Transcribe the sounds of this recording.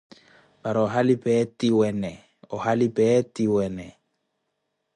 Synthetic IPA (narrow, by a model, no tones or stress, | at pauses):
baɾɔɦalɪpʼɛtiwɛnɛ | ɔhalipʼɛtiwɛnɛ